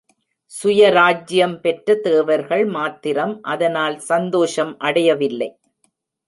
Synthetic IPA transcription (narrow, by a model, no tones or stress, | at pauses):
sʊjɐɾaːd͡ʒɪjɐmpɛʈrɐt̪eːʋɐɾɣɐɭmaːt̪ːɪɾɐmʔɐðɐnaːlsɐnd̪oːʂɐmʔɐɽɐjɐʋɪlːɐɪ